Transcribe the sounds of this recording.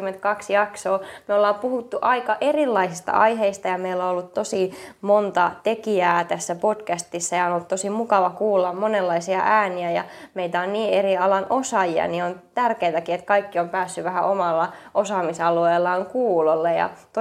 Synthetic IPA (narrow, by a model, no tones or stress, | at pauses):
mːent̪̚kɑksjɑksoːmeolːɑːmpuhut̪ːuʔɑikɑʔerilːɑisist̪ɑ̰ɑiɦeist̪ɑjɑmeilːoolːut̪t̪osimont̪ɑt̪ekiæːt̪æsːæpod̥kæst̪isːæjɑonolːut̪t̪osimukɑʋɑkuːlːɑmmonelːɑisiɑ̰ʔæːniæjɑ̰meit̪æonniːeriɑlɑnosɑjiɑ̰niont̪ærkeit̪ækiet̪kɑikːiompæːsːyʋæhæʔomɑlːɑʔosɑːmisɑlueːlːɑːŋkuːlolːejɑ̰t̪o